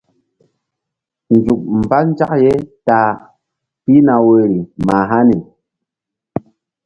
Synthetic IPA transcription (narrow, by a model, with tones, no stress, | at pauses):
n˨d͡ʒu˨k̚m̩˨pa˦n˦d͡ʒa˦k̚je˦ta˨ | pi˦na˨we˨ɾi˨ma˨ɦa˦ni˨